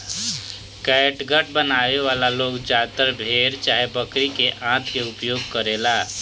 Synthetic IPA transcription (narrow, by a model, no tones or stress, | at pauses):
kɛːʈɡəʈ̚bənaːeʋaːlaloːɡd͡ʒaːt̪əɾbʱeːɾt͡ʃaːɦebəkɾikeʔãːt̪ʰkeʊpjoːɡ̚kəɾeːlaː